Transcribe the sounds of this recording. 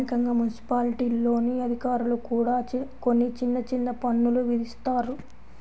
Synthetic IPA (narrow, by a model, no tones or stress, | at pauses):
ikɐŋɡaːmunisi̥paːliʈiːlːo̞ːniɐd̪ʱikaːɾulukuːɽaːt͡ʃko̞nːit͡ʃinːɐt͡ʃinːɐpɐnːuluʋid̪ist̪aːɾu